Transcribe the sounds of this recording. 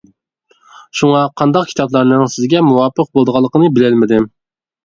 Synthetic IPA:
ʃuŋɑqʰɑnd̪ɑq̚kʲʰi̥t̪ɑblˠɑɾnɨŋsɪzɡʲɛmuwɑːpʰəq̚bolˠd̪əʁɑlˠːəqənɨbɪlɪlmɪd̪ɪ

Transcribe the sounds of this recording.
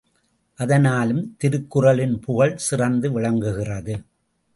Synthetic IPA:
ʔɐðɐnaːlɯmt̪ɪɾɯkːɯrɐlɪnpʊɣɐɭsɪrɐnd̪ɯʋɪɭɐŋɡɯɣɪrɐðɯ

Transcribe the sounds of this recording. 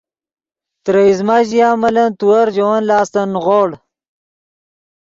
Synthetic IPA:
t̪ɾeizmaʑijaːmɐlɐnt̪uwɐɾd͡ʑowanlaːst̪ɐnʁoɽ

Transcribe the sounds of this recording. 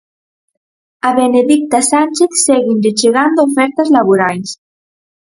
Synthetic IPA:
aβeneðik̚t̪asanʲt͡ʃeθseɣind̪et͡ʃeɣand̪oofɛɾt̪azlaβuɾajs

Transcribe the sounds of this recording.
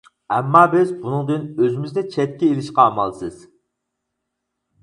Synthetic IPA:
ɛmːɑːbɪzbunɨŋd̪ɪnøzɪmɪzd̪ɛt͡ʃʰɛt̪̚ʲkʲɛelɪʃqɑːmɑ̰lˠsɨz̥

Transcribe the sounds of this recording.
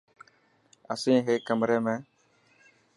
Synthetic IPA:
əsẽːɦeːkːəmɾeːmɛ̃ː

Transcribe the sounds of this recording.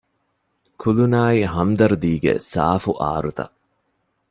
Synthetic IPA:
kʰulunaːiɦɐmd̪ɐɾud̪iːɡḛsa̰ːfuʔa̰ːɾut̪ɐ̰

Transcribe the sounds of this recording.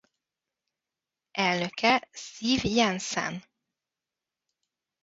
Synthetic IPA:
ʔɛlnøkɛsiːvjɛnsɛ̰n

